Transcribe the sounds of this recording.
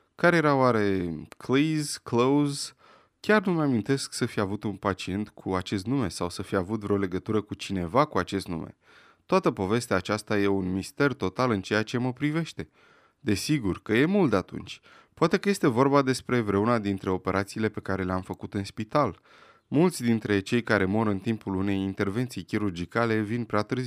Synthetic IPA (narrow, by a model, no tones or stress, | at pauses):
kaɾejeɾawaɾe̞kʰlizklowz | kʲarnuməamint̪e̞sksəfiavut̪unpat͡ʃie̞nt̪kʰuat͡ʃe̞st̪nume̞sawsəfiavut̪vɾeole̞ɡət̪uɾəkut͡ʃine̞vakuat͡ʃe̞st̪nṵmʔḛ | t̪oat̪əpo̞ve̞st̪eaːt͡ʃast̪aje̞unmist̪e̞rt̪o̞t̪alɨnt͡ʃe̞jat͡ʃe̞məpɾive̞ʃt̪e̞ | d̪e̞siɡurkəje̞mult̪d̪eat̪ṵnt͡ʃʲ | poat̪e̞kəje̞st̪e̞vo̞rbad̪e̞spɾe̞vɾe̞unad̪int̪ɾe̞o̞pe̞ɾʔat̪siːle̞pe̞kaɾe̞leamfəkut̪ɨnspit̪al | mult̪sʲd̪int̪ɾe̞t͡ʃe̞jkaɾe̞mo̞ɾɨnt̪impulune̞jint̪e̞rve̞nt̪sijkʲiɾurd͡ʒikale̞vinpɾeat̪ɨrzi